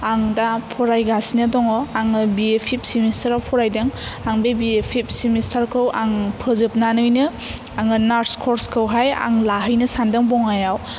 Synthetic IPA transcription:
aŋdapʰɔɾajɡasinɯdɔŋɔaŋɯbiepʰip̚simistaɾawpʰɔɾajdɯŋaŋbebiepʰip̚simistʰaɾkʰɯwʔaŋpʰɯzɯp̚nanɯjnɯ | aŋɯnaɾskʰɔɾskʰɯwɦaja̰ŋlaɦɯjnɯsandɯŋbɔŋajaw

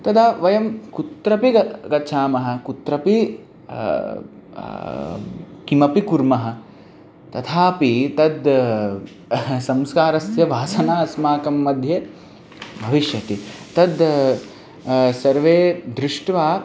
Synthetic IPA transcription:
t̪ɐd̪aːʋɐjɐmkut̪ɾɐpiɐkɐt͡ʃʰaːmɐɦɐ̆kut̪ɾɐpi | kimɐpikuɾmɐɦɐ̆ | t̪ɐt̪ʰaːpit̪ɐd̪ | sɐmskaːɾɐsjɐʋaːsɐnaːɐsmaːkɐmːɐd̪ʱje | bʱɐʋiʃjɐt̪it̪ɐd̪ | sɐɾʋeːd̪ɾɪʂʈʋaː

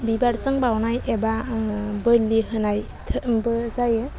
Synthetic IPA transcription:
bibaɾt͡ʃɯŋbawnajebabɯlːiɦɯnaj | tʰɯbɯzajɯ

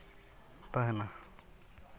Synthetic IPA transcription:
t̪aɦɛna

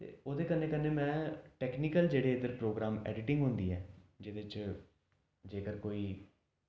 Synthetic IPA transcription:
t̪ḛːoːd̪eːkənːeːkənːeːmɛ̃ːʈɛːknikəld͡ʒeːɽeːɪd̪əɾpɾoːɡɾaːmɛ̰ːɖɪʈɪ̃ŋɡɦʊnd̪iːɦɛːd͡ʒɪd̪ɪt͡ʃ | d͡ʒeːkəɾkoːiː

